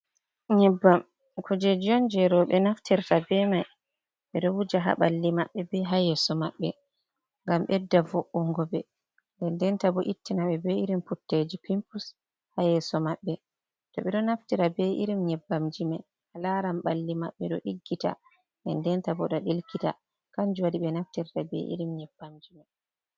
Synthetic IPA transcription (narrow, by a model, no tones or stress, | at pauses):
ɲɛbːam | kʰud͡ʒed͡ʒiɔnd͡ʒɛɾɔɓɛnaftiɾtabɛmaj | ɓɛɗɔwud͡ʒaɦa̰ɓalːimaɓːɛbɛɦajɛsɔmaɓːɛ | ŋɡamɓɛdːavɔʔːɔŋɡɔbɛ | ʔɛndɛntabɔʔitːinaɓɛbɛiɾimputːed͡ʒipimpus | hajɛsɔmaɓːɛ | tɔɓɛɗɔnaftiɾabɛʔiɾimɲɛbːamd͡ʒimɛ | halaɾamɓalːimaɓːɛɗɔ̰ɗiɡːita̰ | ɛndɛntabɔɗɔɗilkita̰ | kaɲd͡ʒuwadiɓɛnaftiɾtabɛ̰ʔḭɾimɲɛbːamd͡ʒima